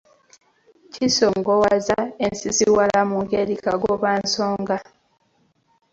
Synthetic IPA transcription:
cisoŋɡowazaensiziwalamuŋɡeɾikaɡoβaːnsoːŋɡa

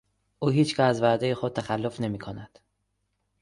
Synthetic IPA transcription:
ʔuːɦiːt͡ʃcʰææzvæd̪ejexod̪̚t̪ʰæxælːo̞fne̞miːkʰonæd̪̥

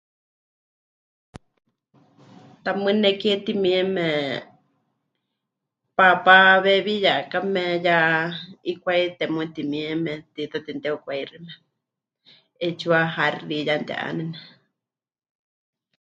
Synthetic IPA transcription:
t̪amɨ̃nɛkiɛt̪imĩɛmɛ | papaβɛβijaʔkamɛja | ikʷait̪ɛmũt̪imĩɛmɛt̪it̪at̪int̪ɛukʷairimɛ | et͡ʃuaɦarijant̪ɛ̰ʔa̰nɛnɛ

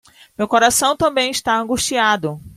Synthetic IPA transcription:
mewkoɾasɐ̃w̃t̪ɐ̃mbẽj̃ist̪aɐ̃ŋɡuʃt͡ʃiad̪ʊ

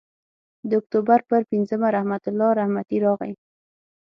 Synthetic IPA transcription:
d̪əʊk̚t̪obaɾpəɾpinzəmaɾahmat̪ʊlːɑɾahmat̪iɾɑɣa̰j

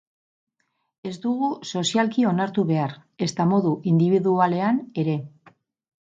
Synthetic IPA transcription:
e̞zd̪uɣuso̞sialkio̞naɾt̪uβe̞aɾe̞st̪amo̞ðuʔind̪iβiðuale̞ane̞ɾe̞

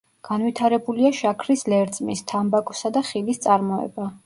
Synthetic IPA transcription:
ɡ̥anwit̪ʰaɾɛbuliaʃakʰɾislɛɾt̪sʼmist̪ʰambakʼɔsad̪aχilist̪sʼaɾmɔɛ̰ba

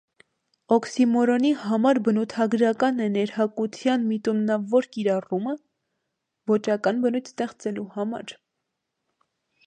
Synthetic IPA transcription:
ɔksimɔɾɔnihɑmɑɾbənut̪ʰɑɡɾɑkɑnɛnɛɾhɑkut͡sʰjɑnmit̪unːɑvɔɾkiɾɑrumə | vɔt͡ʃɑkɑnbənujt̪ʰst̪ɛχt͡sɛluhɑmɑ̰ɾ

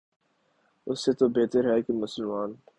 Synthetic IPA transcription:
ʊsːet̪obeːt̪əɾɦɛkemʊsəlmaːn

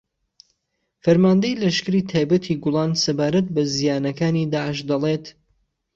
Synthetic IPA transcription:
fɐɾmaːnd̪ɐjlɐʃkɨɾiːt̪ʰaːjbɐt̪ʰiːɡʊlˠɑːnsɐbaːɾɐt̪̚bɐzijaːnɐkaːnid̪aːʕəʃd̪ɐleːt̪

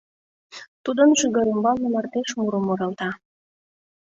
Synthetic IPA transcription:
t̪ud̪ənʃiɣə̆ɾembɑlnəmɑrt̪eʃmuɾəmoɾɑlt̪ɑ

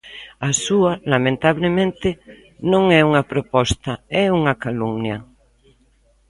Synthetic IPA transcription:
asualamẽnt̪aβlemẽnt̪e | nõŋɛuŋapɾopɔst̪aɛuŋakaluŋnja

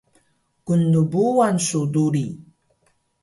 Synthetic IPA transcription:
kundubuansuduɾi

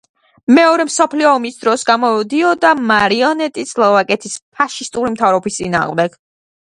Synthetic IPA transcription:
mɛɔɾɛmsɔpʰliɔːmisd̪ɾɔsɡamɔd̪iɔd̪amaɾiɔnɛt̪ʼislˠɔvakʼɛt̪ʰispʰaʃist̪ʼuɾimt̪ʰavɾɔbist̪sʼina̰ːʁmd̪ɛɡ̥

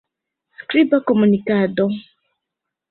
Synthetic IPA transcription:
akɾibakɔmunikadɔ

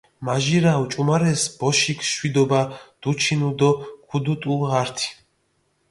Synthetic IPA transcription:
maʒiɾawt͡ʃʼumaɾɛsb̥ɔʃikʰʃwid̪ɔbad̪̥ut͡ʃʰinud̪ɔkʰud̪ut̪ʼulˠʁaɾt̪ʰi̥

